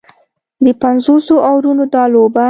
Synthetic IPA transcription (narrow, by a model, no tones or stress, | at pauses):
d̪əpanzosoʔawɾunod̪ɑloba